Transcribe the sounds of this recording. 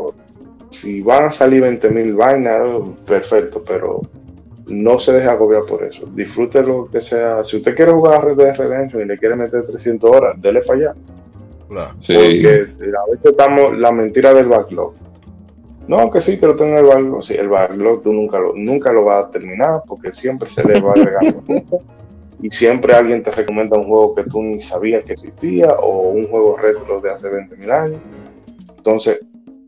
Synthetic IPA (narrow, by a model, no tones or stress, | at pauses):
o | siβaŋasaliɾβent̪e̞milβajnape̞ɾfe̞k̚t̪o̞pe̞ɾo̞̰ | no̞se̞ðe̞haɣo̞βjaɾpo̞̰ɾḛso̞̰d̪isfɾut̪elo̞ke̞seasiust̪e̞kje̞ɾehuɣaɾareðeðereðensjoŋile̞kje̞ɾeme̞t̪e̞ɾt̪ɾesje̞nt̪oso̞ɾasd̪e̞lepaʝa | po̞ɾke̞aβeseet̪amoslamẽnt̪iɾaðe̞lβaklo̞̰k | noke̞sipe̞ɾo̞t̪e̞ŋɡoelβaklo̰sḭʔḛlβaklo̞k̚t̪unũŋkalo̰nũŋkalo̞βat̪e̞ɾmĩnaɾpo̞ɾke̞sje̞mpɾesḛleβaːɣɾeɣand̪oket̪a | isje̞mpɾe̞alɣje̞nt̪e̞re̞ko̞mjend̪auŋhwe̞ɣo̞ke̞t̪unisaβiaskeksihst̪iaouŋhwe̞ɣ̞o̞re̞t̪ɾo̞ðe̞ase̞β̞e̞nt̪emilaɲo̞s | ent̪o̞nse̞s